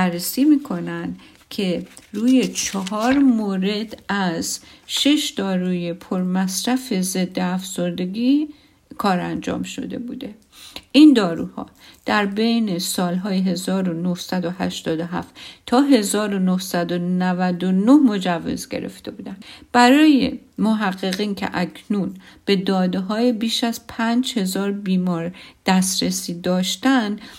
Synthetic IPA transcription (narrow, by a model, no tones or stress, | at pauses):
ærːesiːmiːkʰo̞nænd̪ | cʰe̞ruːje̞t͡ʃʰɒɦɒːɾmoːɾe̞d̪æzʃe̞ʃd̪ɒːɾuːje̞pʰoɾmæsɾæfe̞ze̞d̪ːeæfz̥o̞ɾd̪e̞ɡiː | kʰɒːɾænd͡ʒɒ̰ːmʃo̞̰d̪e̞̰buːd̪e̞ | ʔind̪ɒːɾṵːhɒ̰ːd̪̥æɾbe̞jne̞sɒːlɦɒːjeɦe̞zɒːɾo̞nohsæd̪o̞hæ̰ʃt̪ɒːd̪oɦæ̰ft̪t̪ʰɒːɦe̞zɒːɾo̞nohsæd̪onævæd̪onohmo̞d͡ʒævːḛzɡe̞̰ɾe̞̰ft̪e̞̰buːd̪ænd̪b̥æɾɒːjḛ | moɦæɣːe̞ɣiːncʰḛʔæcʰnuːnb̥e̞d̪ɒːd̪eɦɒːjebiːʃæzpʰænd͡ʒhe̞zɒːɾbiːmɒːɾd̪̥æst̪ɾesiːd̪ɒːʃt̪ænd̪